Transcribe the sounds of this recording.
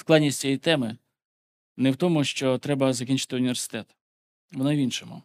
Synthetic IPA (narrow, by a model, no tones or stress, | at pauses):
sklˠɑd̪ʲnʲisʲt͡sʲijijt̪ɛmɪ | nɛwt̪ɔmʊʃt͡ʃɔt̪ɾɛbɐzɐkʲinʲt͡ʃɪ̥t̪ɪʊnʲiʋʲersɪ̥t̪ɛt̪ | ʋɔnɔʋʲinʃɔmʊ̰